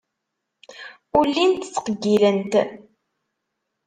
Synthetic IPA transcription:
ulːint̪t͡sːqəɡːilənt̪

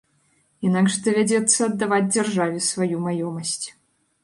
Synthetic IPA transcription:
inaɡʐd̪ɐvʲad͡zʲɛt̪sːɐːd̪ːavad͡zʲd͡zʲarʐavʲɛsvajumajɔmɐsʲt͡sʲ

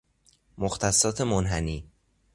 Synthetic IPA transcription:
moxt̪ʰæsːɒːt̪ʰe̞monɦæniː

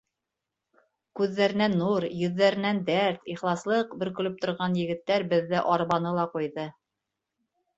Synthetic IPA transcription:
kʉðːæɾɘ̆nænːuɾjɵ̆ðːæɾɘ̆nænd̪æɾt̪iχlˠɑslˠɤqbɵ̆ɾkɵ̆lɵp̚t̪ŏɾʁɑnjɘ̆ɡɘ̆t̪ːæɾbɘ̆ðːɘʔɑɾβɑnɤlˠɑqujðɤ

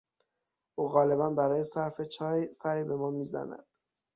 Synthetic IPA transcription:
ʔuːɣɒːle̞bænbæɾɒːjesæɾfe̞t͡ʃʰɒːjsæɾiːbe̞mɒːmiːzæ̰næ̰d̪̥

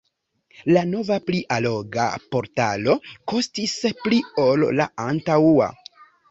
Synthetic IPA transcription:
lano̞vapliʔalo̞ɡa̰po̞ɾta̰lo̞ko̞stisplio̞lːa̰antawua̰

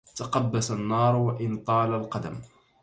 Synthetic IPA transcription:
t̪aqɑbːasanːɑːɾˤwaʔɪnt̪ˤɑːlalqɑd̪am

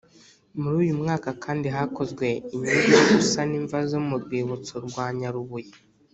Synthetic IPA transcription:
muɾuːjumŋaːkakʰaːndiɦako̞zɡwe̞iɲeɾjoɡusaniːɱvazo̞muɾɡwiːβut͡soɾɡwaːɲaɾuβuji

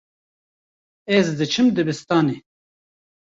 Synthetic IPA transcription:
ɛzd̪ɨt͡ʃʰɨmd̪ɨbɨst̪ɑːne

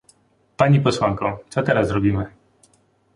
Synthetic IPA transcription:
paɲipɔswaŋkɔ̃w̃t̪sɔt̪ɛɾazzɾɔbʲimɘ

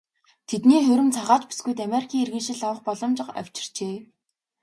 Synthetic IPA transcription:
t̪ʰet̪niːxɵɾɵ̆mt͡sʰaʁaːt͡ɕpi̥sɡujt̪̬ameɾikʰʲiːŋerɣɘ̆nʃɪ̆ɮawə̆χpɔɮɞ̆mt͡ɕɪ̆qa̰w̥ʲt͡ɕɪ̥̆r̥t͡ɕeː

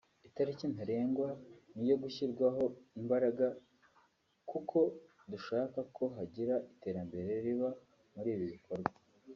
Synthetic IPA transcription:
itaɾicin̥aɾe̞ːŋɡwanijo̞ɡuçiɾɡwaɦo̞imbaɾaɡa | kukʰo̞ | duʃaːkakʰo̞ɦaɟiɾaʔite̞ɾambe̞ɾe̞ɾiβa | muɾiːβiβikʰoɾɡwa

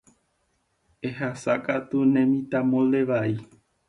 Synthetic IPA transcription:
eɦasakat̪unẽmĩt̪amõleʋai

